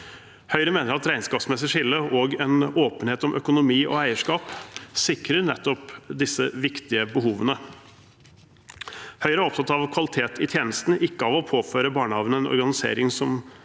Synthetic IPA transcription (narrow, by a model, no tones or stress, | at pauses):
hœʏɾəmeːnəɾɑt̪ɾæɪnskɑːpsmɛs̬əʂɪlːəoːɡɛnoːpənheːt̪ɔmʔœkʊnʊmiːʔɔ̰æɪəʂkɑːpsɪkɾəɾnɛt̪ːɔpd̪ɪsːəʋɪkt̪ɪəbəɦuːʋənə | hœʏɾəɔp̚t̪ʰɑt̪ɑʋkʰʋɑlɪt̪ʰeːt̪ʰɪt̪ʰjeːnəst̪n̩ʔɪkːəɑʋɔpʰoːføːɾəbɑːɳəhɑːʋənəɛnʔɔ̰ɾɡɑnɪsḛːɾɪŋsɔm